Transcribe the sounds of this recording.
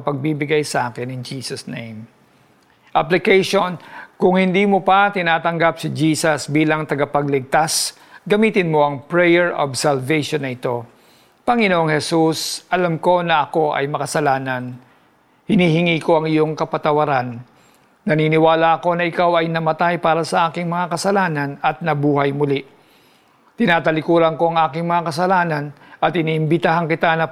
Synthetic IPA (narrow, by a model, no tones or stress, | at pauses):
pɐɡ̚bibɪɡajsɐʔaːkɪnɪŋd͡ʒiːsɐsnejm | ʔɐplɪkɛjʃonkʊŋhɪnd̪iːmopɐt̪ɪnaːt̪ɐŋɡap̚sɪd͡ʒiːsɐsbiːlɐŋt̪ɐɡɐpɐɡlɪɡ̚t̪as | ɡɐmiːt̪ɪnmo̞ʔɐŋpɹɛjɛɹʔo̰bsɐlvɛjʃonːɐʔɪt̪o̞ | pɐŋɪnoʔoŋhɛsusɐlamko̞nɐʔɐko̞ʔɐ̰jmɐkɐsɐlaːnɐn | hɪniːhɪŋiːko̞ɐŋɪjo̞ŋkɐpɐt̪ɐwɐɾanː | ɐniːnɪwaːlaʔɐko̞nɐʔɪkawɐjnɐmɐt̪ajpaːɾɐsɐʔaːkɪŋmɐŋakɐsɐlaːnɐnɐt̪̚nɐbuːɦɐjmʊli | t̪ɪnaːt̪ɐlɪkuːɾɐŋko̞ɐŋʔaːkɪŋmɐŋakɐsɐlaːnɐnʔɐt̪ɪniːʔɪmbɪt̪aɦankɪt̪anɐ